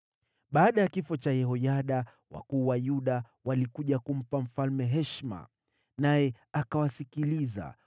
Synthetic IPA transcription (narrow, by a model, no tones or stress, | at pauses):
ɓaːɗajakifɔt͡ʃajɛɦɔjaɗa | wa̰kuːwajuɗa | walikuʄakum̩pam̩falmɛɦɛʃma̰ | najɛ | akawasikiliza̰